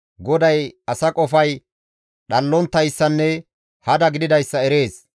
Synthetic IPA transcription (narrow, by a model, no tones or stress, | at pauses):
ɡɔd̪ɐjɐsɐkʼɔfɐj | ɗɐlːɔnt̪ːɐjsːɐnːɛ | hɐd̪ɐɡɪd̪ɪd̪ɐjsːɐɛɾe̞ːs